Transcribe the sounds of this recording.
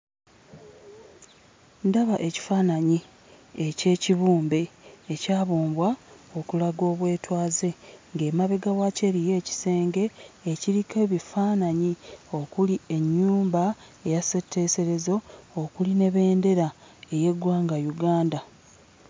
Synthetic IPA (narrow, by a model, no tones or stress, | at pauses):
ndaβaʔe̞ci̥faːnaɲi | ece̞ːciβuːmbe̞ːcaːβoːmbwao̞kulaɡo̞ːβwe̞ːtwaːze̞ŋɡe̞ːmaβeɡawace̞ɾije̞ːci̥se̞ːŋɡe̞ːciɾikʰe̞βifaːnaɲio̞kulie̞ɲːuːmba | e̞jase̞tʰːe̞ːse̞ɾe̞zo̞ːkuline̞βe̞ːnde̞ɾa | e̞je̞ɡwaːŋɡajuɡaːnda